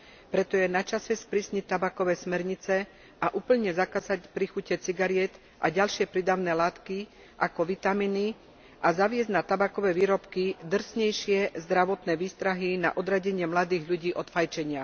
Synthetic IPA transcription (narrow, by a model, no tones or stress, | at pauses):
pɾɛt̪ɔjɛnat͡ʃasɛspɾisɲit̪ːabakɔʋɛːsmɛɾɲit͡sɛ | aʔuːpl̩ɲɛzakazacpɾixucɛt͡siɡaɾɪɛt̪ | ʔaɟalʃɪɛpɾid̪aʊnɛːlaːt̪ki | ʔakɔʋit̪amiːni | ʔazaʋɪɛzɟnat̪abakɔʋɛːʋiːɾɔpkid̪r̩sɲɛjʃɪɛzd̪ɾaʋɔt̪nɛːʋiːst̪ɾaɦina̰ʔɔd̪ɾaɟɛɲɪɛmlad̪iːɣʎuɟiːʔɔt̪fajt͡ʃɛɲɪa